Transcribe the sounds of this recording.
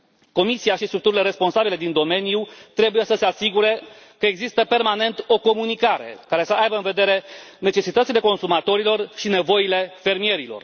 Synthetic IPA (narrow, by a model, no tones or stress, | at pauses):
ko̞misiaʃist̪ɾuk̚t̪uɾile̞ɾe̞spo̞nsabile̞d̪ind̪o̞me̞nijut̪ɾe̞buje̞səse̞asiɡuɾe̞ | kəe̞ɡzist̪əpe̞rmane̞nt̪o̞ko̞munikaɾe̞̰kaɾe̞səʔajbəɨnve̞d̪e̞ɾe̞ne̞t͡ʃe̞sit̪ət̪sile̞ko̞nsumat̪o̞ɾilo̞rʃine̞vo̞jile̞fe̞rmije̞ɾilo̞̰r